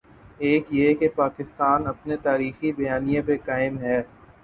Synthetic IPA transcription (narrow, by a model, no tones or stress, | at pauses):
eːkjekepaːkɪst̪aːnɐpnet̪aːɾiːxibɐjaːnijãpekaːɪmɦɛː